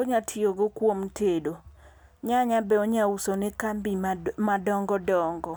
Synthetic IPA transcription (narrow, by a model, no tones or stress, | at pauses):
oɲatʰioɡokwomtʰedo | ɲaɲabɛoɲausonɛkambimadɔŋɡɔdɔŋɡɔ